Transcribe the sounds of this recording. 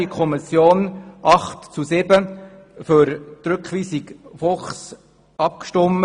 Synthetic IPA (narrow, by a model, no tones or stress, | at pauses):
ikʰɔmɪsjoːnʔɑχtt͡susɪbə | fʏɾt̪ɾʏkχʋiːsɪkfɔχs | ʔɑp̚kʃtɔmə